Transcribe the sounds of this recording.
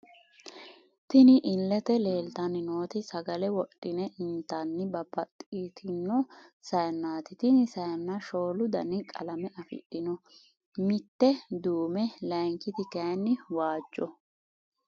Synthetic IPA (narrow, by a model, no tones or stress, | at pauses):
t̪ɪnɪʔɪlːɛt̪ɛle̞ːlt̪ɐnːɪnoːt̪ɪsɐɡɐlɛwɔɗʼːɪnɛʔɪnt̪ːɐnːɪbɐbɐt̪ʼːit̪ʰɪnːɔsɐjɐnːaːt̪ɪt̪ɪnɪsɐjɐnːɐʃo̞ːlʊd̪ɐnɪkʼɐ̰lɐmɛɐfɪ̰ᶑɪnɔ | mɪt̪ːɛd̪uːmɛlɐjŋkɪt̪ɪkɐjnːɪwaːd͡ʒːɔ